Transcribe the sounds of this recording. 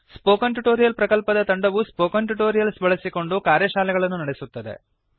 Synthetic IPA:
spoːkɐnʈuʈoːɾijɐlpɾɐkɐlpɐd̪ɐt̪ɐɳɖɐʋuspoːkɐnʈuʈoːɾijɐlsbʱɐɭɐsiko̞ɳɖukaːɾjɐʃaːlɛɡɐɭɐnːunɐɽesut̪ːɐd̪e̞̰

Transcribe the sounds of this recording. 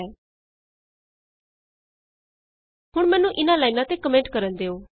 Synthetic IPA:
ɛː | hʊɽ̃mɛːnũʔɪnãːlaːinãːt̪ekəmẽɳʈkəɾənd̪eːoː

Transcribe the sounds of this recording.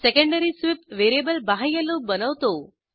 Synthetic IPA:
sɛkə̃ɳɖəɾisʋɪpʋeɾiebəlbaɦajəlobənəʋt̪o

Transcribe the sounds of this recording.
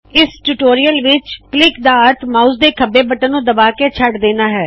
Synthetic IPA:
ɪsʈuːʈoːɾijəlʋɪt͡ʃklɪkd̪aːəɾt̪ʰmaːusd̪eːkʰəbeːbəʈənːũːd̪əbaːkeːt͡ʃʰəʈd̪eːnaːɦɛː

